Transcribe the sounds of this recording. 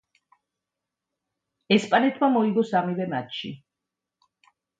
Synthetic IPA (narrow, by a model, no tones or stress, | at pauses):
ɛspʼanɛt̪ʰmamɔiɡɔsamivɛmat̪ʃḭ